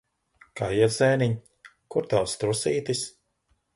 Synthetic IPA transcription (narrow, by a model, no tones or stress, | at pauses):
kajizɛːniɲ | kuɾt̪awst̪ɾusiːt̪is